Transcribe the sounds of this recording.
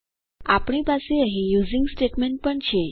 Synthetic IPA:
apɽ̃ipaseəɦijud͡ziŋɡsʈeʈmeɳʈ̚pəɳt͡ɕʰe

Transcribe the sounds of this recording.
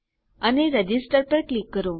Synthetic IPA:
aneɾəd͡ʑisʈəɾpəɾklikːəɾo

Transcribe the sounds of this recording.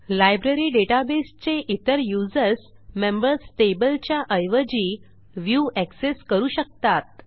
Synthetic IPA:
lajbɾeɾiːɖeʈabest͡seʔit̪əɾjud͡zəɾsmembəɾsʈebəlt͡ɕjaʔəjʋəd͡ʑiː | ʋjuʔækseskəɾuːɕək̚t̪at̪̚

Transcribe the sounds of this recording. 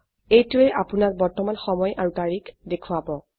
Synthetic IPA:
ejtuɛʔapunak̚bɔɹtɔmanxɔmɔjʔaɹutaɹikʰdekʰuabɔ

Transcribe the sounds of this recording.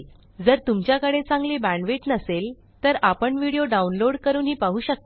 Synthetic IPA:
d͡zəɾt̪umt͡ɕjakəɽet͡sãŋɡliːbæ̃ɳʋeʈnəsel | t̪əɾapəɳʋiɽijoɖaunloɽkəɾuːnɦiːpaɦuːɕək̚t̪e

